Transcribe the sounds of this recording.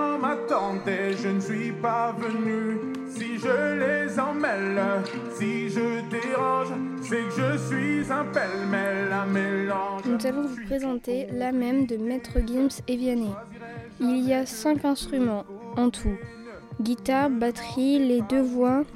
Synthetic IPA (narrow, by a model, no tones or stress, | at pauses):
mat̪ɑ̃t̪eʒənəsɥipavəny | siʒəlezɑ̃mɛl | siʒəd̪eʁɑ̃ʒ | sɛkʒəsɥizɛ̃pɛlmɛlːamelɑ̃nuzavɔ̃vupχezɑ̃t̪elamɛmd̪əmɛt̪χəɡʲimsevjane | iliasɛ̃kɛ̃st̪χymɑ̃ɑ̃t̪ʰu | ɡʲit̪aʁbat̪χiled̪øvwa